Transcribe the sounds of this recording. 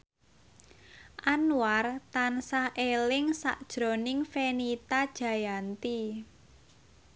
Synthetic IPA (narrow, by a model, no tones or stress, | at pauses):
ʔanwart̪ansahʔelɪŋsa̰ʔd̥ʒ̥ɾo̤nɪŋfenit̪ad̥ʒ̥a̤jant̪i